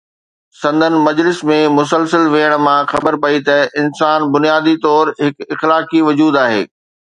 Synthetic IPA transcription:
sɐ̃nd̪ʱənɪ̆mɐd͡ʑlɪsmẽmʊs̬əlsəlʋeəɽ̃mãxɐbəɾpɐit̪ɐɪnsaːnbʊnijaːd̪it̪ɔːɾɦɪkɪxlaːkiʋɐd͡ʑuːd̪aːɦḛː

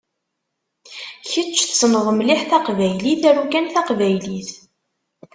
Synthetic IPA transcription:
çət͡ʃːθsənðˤəmliħθæqvæjliθæɾukænθɑqvæjliθ

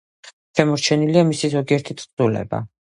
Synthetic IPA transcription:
ʃɛmɔɾt͡ʃʰɛniliamisizɔɡiɛɾt̪ʰit̪ʰʼz̥ulɛ̰ba̰

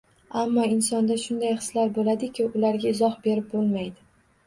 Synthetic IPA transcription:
amːɒɪnsɒnd̪aʃʊnd̪ajχɨ̥slaɾbolad̪ɪkʲɪʊlaɾɡʲaɪzɒχbe̞ɾɪp̚bolˠmajd̪ɪ

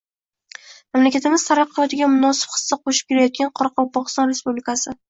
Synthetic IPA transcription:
mamlakʲat̪ʰɪmɪz̥t̪ʰaɾɑq̚ʰːɨlɒt̪ɪɡʲamʊnɒsɪ̥b̥χɨ̥sːd̪aqʰoʃɪ̥p̚kʲʰeɾajɒt̪̚ɡʲanqʰɒɾɑqʰɒpɒqɨ̥st̪ɒnɾe̞spublɪkasɪ

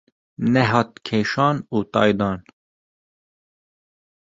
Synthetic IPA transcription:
nɛɦɑːt̪̚kʰeːʃɑːnuːt̪ɑ̰ːjd̪ɑːn

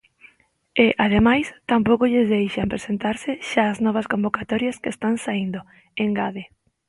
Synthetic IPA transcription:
ɪʔað̞emajst̪ampowkoʎezðejʃampɾesent̪aɾsɪʃaːznɔβ̞ɐskombokat̪ɔɾjɐskest̪aŋsaind̪o | eŋɡaðe

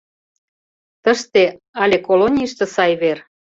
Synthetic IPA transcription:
t̪əʃt̪e | ɑlʲekolonʲiʃt̪ɤ̆sɑjβer

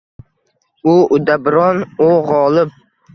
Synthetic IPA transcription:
ʊʊd̪abɾɒnoʁɒlˠɪp̚

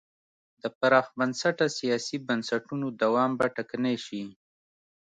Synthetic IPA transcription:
d̪əpaɾɑxbansaʈasijɑsibansaʈunod̪awɑmbaʈakaneʃi

